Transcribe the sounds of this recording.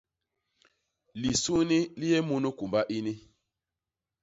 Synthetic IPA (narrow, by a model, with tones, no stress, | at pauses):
li˨su˦ni˦li˦jɛ˦mu˦nu˦ku˨mba˦ʔi˦ni˦